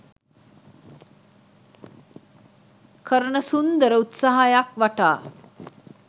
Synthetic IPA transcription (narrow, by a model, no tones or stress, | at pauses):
kʰəɾəɳəsund̪əɾəut̪saɦajakʋaʈa̰ː